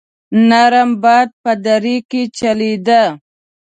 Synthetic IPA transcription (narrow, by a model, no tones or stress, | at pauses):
naɾambɑd̪̚pəd̪aɾiket͡ʃalid̪a